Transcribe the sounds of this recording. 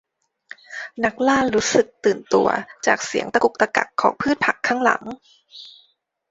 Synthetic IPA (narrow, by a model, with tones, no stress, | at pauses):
na˦˥k̚laː˥˩nɾuː˦˥sɯ˨˩k̚t̪ɯː˨˩nt̪u˧ɐ̰t͡ɕa̰ː˨˩k̚si˩˦əŋt̪a˧ku˨˩k̚t̪a˧ka̰˨˩kʰːɔː˩˦ŋpʰɯː˥˩t̪̚pʰa˨˩kʰːaː˥˩ŋla̰˩˦ŋ